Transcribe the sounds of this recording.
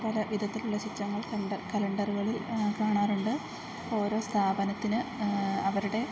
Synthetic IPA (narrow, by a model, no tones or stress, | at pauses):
poːlɐʋid̪ʱɐt̪ːiluɭːɐɕitːrɐŋːɐɭkɐɳɖkɐlɐɳɖɐruɣɐɭilkaːɳaːɾuɳɖɨ | o̞ːɾo̞ːst̪ʰaːbɐnɐt̪ːinɨɐʋɐɾuɽe̞